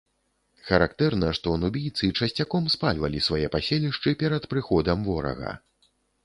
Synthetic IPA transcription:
xɐɾakt̪ɛrnɐʂt̪ɔnubʲijt̪sɨt͡ʂɐsʲt͡sʲakɔmspalʲvɐlʲisvajɛpasʲelʲiʂt͡ʂɨpʲɛɾɐt̪pɾɨxɔd̪ɐmvɔɾɐ̰ɣɐ̰

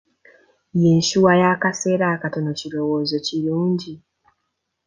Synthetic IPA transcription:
jeɲʃuwajakase̞ːɾakato̞nociɾo̞woːzo̞ciɾuːɲɟi

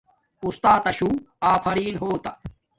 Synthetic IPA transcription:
ust̪aːt̪ɐɕuː | aːpʰɐɾiːnɦoːt̪ɐ

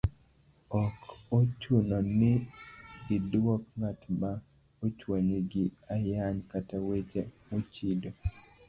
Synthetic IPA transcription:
ɔkot͡ʃunonɪɡɪdwɔk̚ŋatma | ot͡ʃwaɲeɡɪajaɲkatawet͡ʃemot͡ʃido

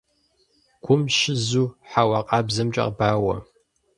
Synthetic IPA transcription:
ɡ̥ʷʰʊmʃɪzuːħawɐqʼɑːbzɨmt͡ʃʼɐ̰qbaːwɐ̰

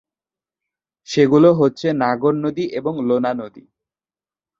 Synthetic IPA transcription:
ʃeɡuloɦotːɕʰenaɡoɾnod̪iʔeboŋlonanod̪ḭ

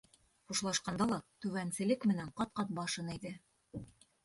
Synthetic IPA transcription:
χuʃlˠɑʃqɑnd̪ɑlˠɑt̪ʉβænsɘ̆lɘkmɘ̆næɴqɑt̪̚qɑt̪̚bɑʃɤnid̪ɘ

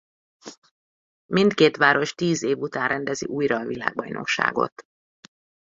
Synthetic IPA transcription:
mint̪keːt̪ʋaːɾo̞ʃt̪iːzeːvut̪aːnrʔɛnd̪ɛzḭʔuːjrɒːvila̰ːɡ̚bɒjnʔo̞̰kʃa̰ːɡo̞̰t̪

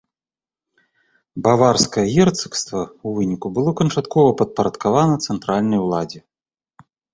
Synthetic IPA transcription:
bavarskɐjɐɣʲɛrt̪sɨ̥kst̪vɐuvɨnʲikubɨlˠɔkɐnt͡ʂat̪kɔvɐpɐt̪̚pɐɾɐt̪kavanɐt̪sɛnt̪ɾalʲnɐjwlˠad͡zʲɛ

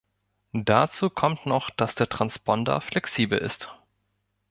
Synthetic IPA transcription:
d̥at͡suːkʰɔmtnɔχd̥asd̥eːɐtʁ̥anspʰɔndə̰flɛksiːbl̩ɪ̰st

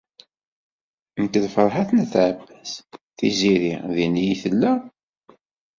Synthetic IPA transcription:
əmt̪æðfəɾˤħaθnæθʕəbːæz̥θḭziɾiðinijiθəlːə

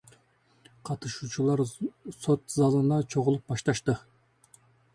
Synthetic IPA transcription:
qʰɑt̪ɯʃuːt͡ʃʰulˠɑɾsot̪zɑlˠɯnɑt͡ʃʰoʁulˠup̚bɑʃt̪ɑʃt̪ɯ

